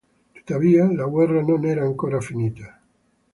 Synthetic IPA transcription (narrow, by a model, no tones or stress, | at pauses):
t̪o̥d̪aβialaɣweranõneɾaːŋkoɾafinit̪a